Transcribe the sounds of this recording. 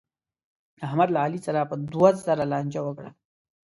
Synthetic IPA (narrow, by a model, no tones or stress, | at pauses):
ahmad̪laalisaɾapəd̪wazaɾalɑːnd͡ʒawəkɽa̰